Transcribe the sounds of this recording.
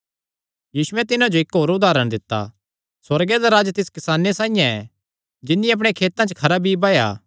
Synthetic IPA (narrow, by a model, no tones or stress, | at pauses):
jiːsʊɛt̪ɪnãd͡ʒoɪkɦoːɾʊd̪aːɾəɽ̃d̪ɪt̪ːa̰ | swɐɾɡed̪aɾaːd͡ʒt̪ɪskɪsaːnesãːĩjãɛ | d͡ʒɪnːĩɐp̬ɽ̃ekʰeːt̪ãt͡ʃkʰɐɾabʱibaːja̰ː